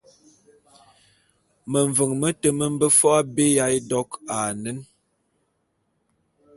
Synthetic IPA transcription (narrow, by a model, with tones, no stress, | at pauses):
mə˨ɱ˨və˨ŋmə˦tə˨mə˦m˦bə˦fɔ˦a˦be˦ja˨˦jdɔ˦ka˨nə˦n